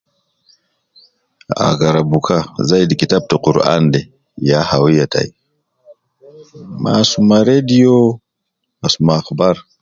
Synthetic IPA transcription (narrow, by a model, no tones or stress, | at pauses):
a̰ɡaɾabukʰazajdikitab̚toquɾa̰nde | jahawijata̰j | ma̰sumaɾedijo | asumaxbaɾ